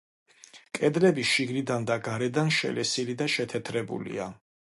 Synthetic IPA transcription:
kʼɛd̪lɛbiʃiɡnid̪and̪aɡaɾɛd̪anʃɛ̰lɛsilid̪aʃɛt̪ʰɛt̪ʰɾɛbṵlḭa

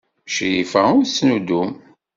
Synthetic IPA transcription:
ʃjifæʊɾsnud̪um

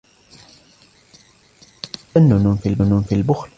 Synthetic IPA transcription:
anːʊnʊnfilʊnʊnfilbʊxl

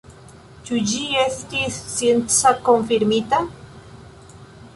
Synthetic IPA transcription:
t͡ʃud͡ʒieθt̪issjent͡sakoɱfiɾmit̪a

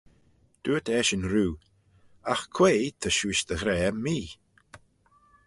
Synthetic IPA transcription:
d̪̥uːət̪ʰɛːʃənɾuː | axkʰweːt̪ʰəʃuɪʃd̪əɣɾɛːmiː

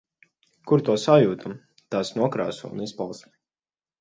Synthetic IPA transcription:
kuɾt̪uɔsajuːt̪ʰam | t̪asnuɔkɾa̰ːsṵṵnispalˠs

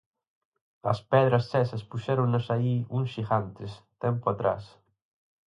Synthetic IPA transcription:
ɐ̰spɛðɾɐsːɛsɐspuʃɛɾoŋnasaiuŋʃiɣant̪est̪ɛmpuat̪ɾa̰s

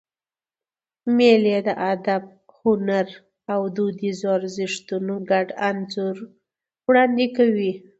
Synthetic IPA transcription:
meled̪əʔad̪ab̚ | hʊnaɾ | awd̪ud̪izɑɾzɪʂt̪unoɡaɖanzuɾ | wɽɑnd̪ikawi

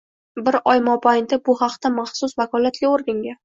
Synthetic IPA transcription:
bɪɾɒjmɒbajnd̪abʊhɑqt̪amɑχsʊsvakʰɒlˠat̪ɡʲaoɾɡʲaŋɡʲa

